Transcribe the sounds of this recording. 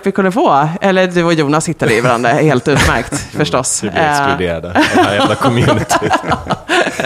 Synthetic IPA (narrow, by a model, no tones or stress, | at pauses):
t̪vɪkʰɵnd̪əfoːɛlːəd̪ʉɔjuːnashɪt̪ːad̪əɪvaɾa̰nd̪ɾaheːlt̪ʉ̟ːt̪mæɾkt̪fœʂʈɔsɛsd̪ḛːɾad̪əɛlakʰɔmʉːnɪt̪ʰ